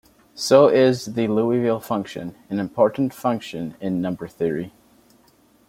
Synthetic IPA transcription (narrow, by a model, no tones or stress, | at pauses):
soʊʔɪzðɨluivɪlˠfʌ̃ŋkʃɨ̰̃nɨ̃nɨ̃mpʰɔɹʔn̩tfʌ̃ŋkʃɨ̃nɪ̃nːʌ̃mbə˞θɪɹḭ